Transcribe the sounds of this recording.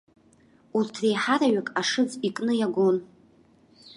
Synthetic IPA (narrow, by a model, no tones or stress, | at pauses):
urtʰrejħaɾaɥakʼaʂɨd͡zikʼnɨjaɡʷon